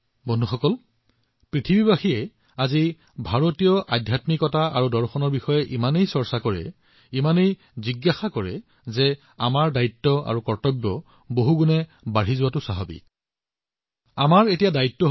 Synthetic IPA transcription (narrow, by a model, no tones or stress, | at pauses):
bonduxɔkɔl | pɹitʰibibaxiɛ | azi | bʱaɹotijɔʔa̰dʱjatmikɔtaaɹudɔɹxɔnɔɹbixɔjɛʔimanejsɔɹsakɔɹɛ̰ | imanej | ziɡːaxakɔɹɛ | zɛ | amaɹdaitːɔa̰ɹukɔɹtɔbːɔ | boɦuɡunɛ | baɹizʊwatʊsaɦɔbḭ | amaɹetijadaitːɔ